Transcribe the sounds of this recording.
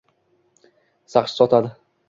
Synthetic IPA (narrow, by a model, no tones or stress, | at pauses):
saχʃɪ̥sɒt̪ʰad̪ɪ